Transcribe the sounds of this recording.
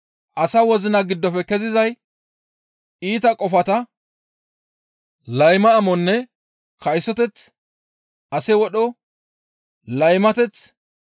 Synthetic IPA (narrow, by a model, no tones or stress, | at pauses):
ʔɐsɐwɔzɪnɐɡɪd̪ːɔfɛkɛzɪzɐj | iːt̪ɐkʼɔfɐt̪ɐ | lɐjmɐːmɔnːɛ | kɐjsːɔt̪ɛt͡s | ɐsɛwɔɗɔ | lɐjmɐt̪ɛt͡s